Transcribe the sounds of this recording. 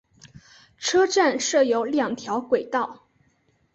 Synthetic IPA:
ʈ͡ʂʰɤ˥ʈ͡ʂa˥˧nʂɤ˥˩jo˧˥ʊljɑ˨˩ŋt̪ʰjɑ˧˥ʊkwe˨˩ɪt̪ɑ˥˩ʊ

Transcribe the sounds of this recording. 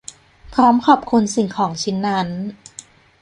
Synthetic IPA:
pʰɾɔː˦˥mkʰɔː˨˩p̚kʰu˧nsi˨˩ŋkʰɔː˩˦ŋt͡ɕʰi˦˥nːa˦˥n

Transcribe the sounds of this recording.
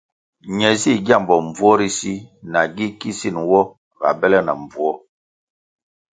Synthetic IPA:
ɲɛ˨zi˦˨ɡja˦˨mbɔ˨m˨b͡vu˦ɔ˦ɾi˦si˦na˨ɡi˦ki˦si˦˨nwɔ˦ | ɣa̰˨bɛ˦lɛ˦na˨ɱb͡vu˦ɔ˦

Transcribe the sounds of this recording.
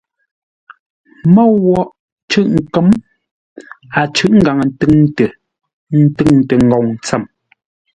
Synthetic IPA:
mɔ˦˨wɔ˦˨ʔ | t͡ʃʉ˦˨ʔŋ̩˨kə˨˦m | a˨t͡ʃʉ˦˨ʔŋ̩˦ɡa˨ŋə˨n˦tɨ˦ŋtə˨ | n̩˦tɨ˦˨ŋtə˨ŋ˨ɡɔ˨ŋ̩˨t͡sə˦˨m

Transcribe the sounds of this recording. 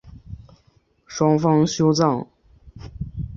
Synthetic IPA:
ʂwɑ˥ŋfɑ˥ŋɕjo˥ʊt͡sɑ˥˩ŋ

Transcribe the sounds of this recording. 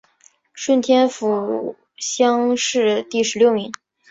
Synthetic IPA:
ʂwə˥˩nt̪ʰjɛ˥nfu˨˩ | ɕjɑ˥ŋʂɻ̩˥˧t̪i˥˩ʂɻ̩˧˥ljo˥˩ʊmi˧˥ŋ

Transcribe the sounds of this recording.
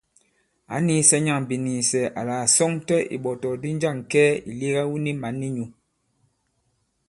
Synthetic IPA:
a̰˨˦ni˦sɛ˦ɲa˦˨ŋ˨bi˨niː˨sɛ˨ʔa˨la˨sɔ˦ŋtɛ˦ʔḭ˨ɓɔ˨tɔ˨di˦n˦d͡ʒa˦˨ŋ˨kɛː˦i˨li˦ɣa˦wu˦ni˦ma˨nːi˦ɲu˨

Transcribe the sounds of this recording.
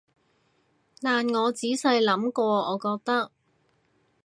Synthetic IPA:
t̪aː˨nŋɔː˨˧t͡siː˨˥sɐ˧jlɐ˨˥mkɔː˧ɔː˨˧kɔː˧k̚t̪ɐ˥k̚

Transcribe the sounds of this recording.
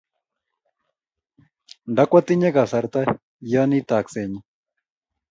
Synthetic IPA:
nda˦kwa˦t̪i˦ɲɛ˦ka˨sa˨ɾt̪a˦ | jɔ˦ni˦t̪a˨kse˨ɲi˦

